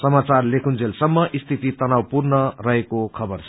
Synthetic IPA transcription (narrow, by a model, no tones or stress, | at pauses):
sʌmat͡sarlekʰund͡zelsʌmːʌʔist̪ʰit̪it̪ʌnawpurnʌrʌɦekokʰʌbʌrt͡sʰʌ